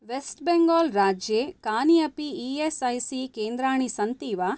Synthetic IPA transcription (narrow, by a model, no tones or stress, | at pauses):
ʋesʈbeŋɡoːlɾaːd͡ʒjeːkaːniɐpiesɐjsikeːnd̪ɾaːɳisɐnt̪iːʋaː